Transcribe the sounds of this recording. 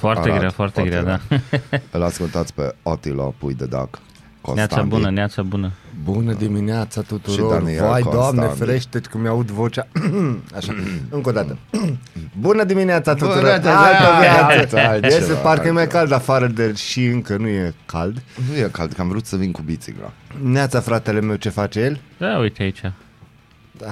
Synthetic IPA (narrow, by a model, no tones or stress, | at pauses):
foaɾeɡɾafoart̪eɡɾa̰d̪a | ɨlaskult̪at̪sʲpeot̪ilo̰pujd̪ed̪a̰kː | õ̰nʲaaanbunəneat̪sabunəbunəd̪imineat̪sat̪ut̪uʃɾioanivajd̪oamnefɾeʃt̪etkumjaut̪vo̞t͡ʃaaʃaɨŋkod̪at̪ə | bunəd̪imineat̪sat̪ut̪uɾooaovja | esepaɾkəjemajkald̪afaɾəd̪erʃiɨŋkənujekald̪nujeka̰ld̪kəamvɾut̪səvinkubit̪sḭɡɾa̰neat̪safɾat̪e̞leme̞wt͡ʃe̞fat͡ʃeje̞lʲd̪aujt̪eait͡ʃa | d̪̥a